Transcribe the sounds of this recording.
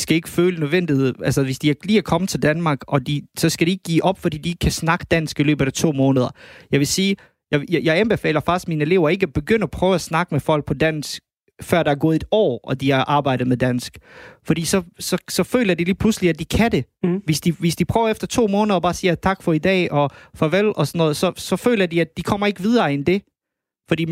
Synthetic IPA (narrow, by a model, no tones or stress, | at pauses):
d̥isɡ̥æe̝ɡ̥əføːlənøðˠʋen̰d̥iðˠælsɐʋe̝sd̥iæliːæɐkʰɒ̽mət͡sʰe̝ld̥ænmɑ̈ːɡ̥ɒ̽d̥isɒ̽sɡ̥æɾie̝ɡ̥ə̥ːḭːʔɒ̽b̥fɒd̥ḭːd̥ie̝ɡ̥kʰæsnɑ̈ɡ̥ə̥d̥æn̰sɡ̥ilø̰ːb̥ɐ̥æt͡sʰo̝̰ːmɔ̽ːnəðˠɐjɑ̈ɪʋe̝siː | jɑɪjjɑ̈ɪæmb̥e̝fɛ̰ːlɐfɑ̈sd̥minəe̝le̝ʊɐe̝ɡ̥əɒb̥e̝ɡ̥øn̰ɐɒpʰʁœːʊæsnɑ̈ɡ̥əmefɒ̽l̰ɡ̥̚pʰɒ̽d̥æn̰sɡ̥ | fɶɐd̥ɑæɐɡ̥ɔ̽ːðˠdɒ̰ːʔɒ̽d̥iɑʔɑ̈ːb̥ɑ̈ɪ̰d̥ð̩ˠmed̥æn̰sɡ̥fɒd̥ḭːsɒ̽sɒ̽sɒ̽fø̰ːlɐd̥iliːpʰlusliæd̚d̥ikʰæde̝ʋe̝sd̥iʋe̝sd̥ipʰʁ̥œːʊɐefd̥ɐt͡sʰo̝̰ːmɔːnəð̞ˠɐb̥ɑ̈ːsiːɐt͡sʰɑ̈ɡ̥fɒ̽id̥ɛ̰ːɒ̽fɒʋelɒ̽sɒ̽nːɔ̽ːð̩ˠsɒ̽sɒ̽fø̰ːlɐd̥iæd̚d̥ikʰɒ̽m̰ɐe̝ɡ̥əʋið̞ˠɐːend̥e̝ | fɒ̽d̥ḭː